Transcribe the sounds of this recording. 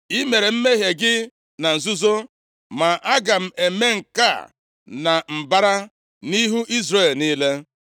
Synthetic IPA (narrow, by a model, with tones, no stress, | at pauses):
i˦me˨ɾe˨m̩˦me˦ɦe˨ɡɪ˦ | na˨n̩˨zu˦zo˦ | ma˨ʔa˦ɡa˨m̩˨e˨me˦ŋ̩˨ka̰˦˨ | na˨m̩˨ba˦ɾa˦ | ni˦ɦu˦ʔi˦zɾe˨lniː˦le˦